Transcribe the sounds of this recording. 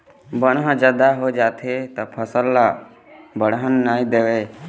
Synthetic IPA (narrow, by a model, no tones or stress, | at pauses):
bəñɦəd͡ʒəd̪aɦod͡ʒaːt̪ʰet̪əpʰəsəlːa | bəɽɦənːaːĩd̪eʋeː